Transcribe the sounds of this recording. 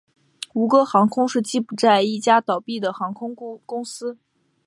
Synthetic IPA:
u˧˥kə˧xɑ˧˥ŋkʰʊ˥ŋʂɻ̩˥˧t͡ɕi˥˩pu˧˥t͡sa˥˧ɪi˥˩t͡ɕja˥t̪ɑ˨˩ʊpi˥˩d̪ə˩xɑ˧˥ŋkʰʊ˥ŋkʊ˥ŋsɹ̩˥

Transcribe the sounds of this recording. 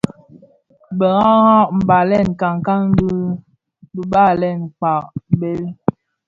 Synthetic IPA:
bə˨ŋa˦ŋa˦ʔm̩˨ba˨lɛ˦˨nka˨ŋka˦ŋ̩˦di˦ | bə˨ba˦˨lɛ˦˨nk͡pa˨ʔbe˦l

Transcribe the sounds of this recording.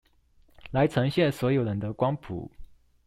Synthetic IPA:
la˨˧˥ɪt͡sʰɤ˧˥ŋɕjɛ˥˩nswɔ˧˥jo˨˩ʊɻə˧˥nd̪ə˧kwɑ˥ŋpʰṵ˨˩˦

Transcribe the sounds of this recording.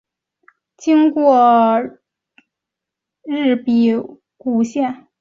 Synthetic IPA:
t͡ɕi˥ŋkwɔ˥˧ | ɻɻ̩˥˩pi˨˩ | ku˨˩ɕjɛ˥˩n

